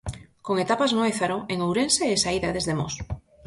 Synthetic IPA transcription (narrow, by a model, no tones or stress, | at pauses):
koŋet̪apaznoeθaɾoeŋowɾenseːsaiðaðezðemos